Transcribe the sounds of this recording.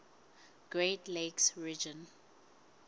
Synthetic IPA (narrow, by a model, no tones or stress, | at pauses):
ɡ̥ɹetleksɹid͡ʒɔ̃n